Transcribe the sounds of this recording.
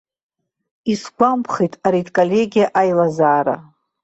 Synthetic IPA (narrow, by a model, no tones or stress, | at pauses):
isɡʷampʰχejtʼaɾitʰʼkʼolʲe̞ɡʲijaʔajlazaːɾa̰